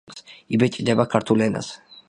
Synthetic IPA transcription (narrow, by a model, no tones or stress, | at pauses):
sibɛt͡ʃʼid̪ɛbakʰaɾt̪ʰulɛna̰s